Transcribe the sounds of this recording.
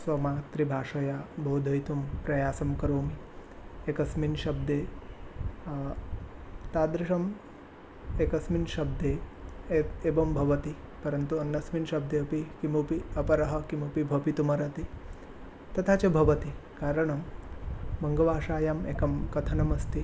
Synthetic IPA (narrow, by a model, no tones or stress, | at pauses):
sʋɐmaːt̪ɾibʱaːʂɐjaːbʱoːd̪ʱɐjt̪umpɾɐjaːsɐmkɐɾoːmiekɐsminʃɐb̚d̪eː | t̪aːd̪ɾiʃɐm | eːkɐsminʃɐb̚d̪eː | eːʋɐmbʱɐʋɐt̪ipɐɾɐnt̪uɐnːɐsminʃɐb̚d̪eɐpikimupiɐpɐɾɐɦɐ̆kimupibʱɐpit̪umɐɾɐt̪i | t̪ɐt̪ʰaːt͡ʃɐbʱɐʋɐt̪ikaːɾɐɳɐm | bɐŋɡɐʋaːʂaːjaːmeːkɐmkɐt̪ʰɐnɐmɐst̪i